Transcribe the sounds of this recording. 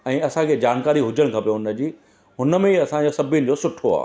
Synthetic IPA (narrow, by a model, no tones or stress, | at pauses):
ɛ̃ːɐsãkʰed͡ʑaːnkaːɾiɦʊd͡ʑəɽ̃kʰãpijoʊnə̆d͡ʑiː | ɦʊnə̆mẽiɐsãd͡ʑosɐbʱɪnɪ̆d͡ʑosʊʈʰoa̰ː